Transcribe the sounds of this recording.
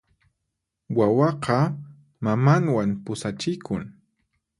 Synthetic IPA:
wawɑqɑ | mamaŋwampʊsat͡ʃɪkʰʊŋ

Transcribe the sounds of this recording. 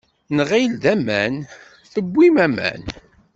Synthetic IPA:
nʁild̪æmæn | θəbʷːimæmæ̰n

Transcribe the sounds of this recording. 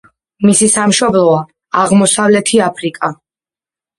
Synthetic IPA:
misisamʃɔblˠɔa | aʁmɔsavlɛt̪ʰiapʰɾikʼa

